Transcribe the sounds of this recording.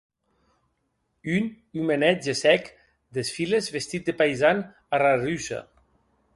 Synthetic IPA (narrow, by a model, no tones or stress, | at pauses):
yn | ymenɛd͡ʒesɛk | d̪esfilezβest̪it̪̚d̪epajzan | ararysa̰